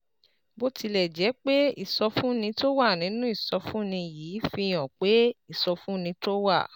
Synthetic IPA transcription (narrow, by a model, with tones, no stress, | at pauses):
bo˦ti˧lɛ˨d͡ʒɛ˨˦k͡pe˦ḭ˦˨sɔ˧fũ˦nĩ˧to˦wa˦˨nĩ˨˦nũ˦i˦˨sɔ˧fũ˦nĩ˧jiː˨˦fi˧j̃ɔ̃˨k͡pe˨˦i˦˨sɔ˧fũ˦nĩ˧to˦wa̰˦˨